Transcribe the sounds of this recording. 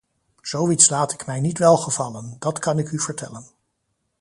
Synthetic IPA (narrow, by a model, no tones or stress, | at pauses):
z̥owitslaːtɪkmɛjnitʋɛlˠχəvɑləndɑtkɑnɪkyv̥əɹtɛlən